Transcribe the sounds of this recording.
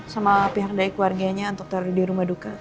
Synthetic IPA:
samapiɦak̚daikuwarɡaɲaunt̪ʊk̚t̪əɾdiɾumahduka

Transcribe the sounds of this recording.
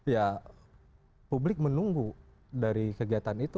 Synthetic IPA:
ja | publɪk̚mənuŋɡu | daɾikəɡiat̪anit̪u

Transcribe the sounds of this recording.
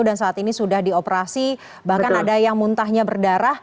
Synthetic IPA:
dansaːt̪inisudahdiopəɾasi | bahkanadajaŋmunt̪aɦɲabərdaɾah

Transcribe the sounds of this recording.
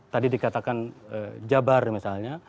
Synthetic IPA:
t̪adidikat̪akanəd͡ʒabarmisalɲa

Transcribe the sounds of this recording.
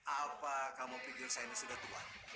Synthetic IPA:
apakamopiɡisajanisudaht̪ua̰n

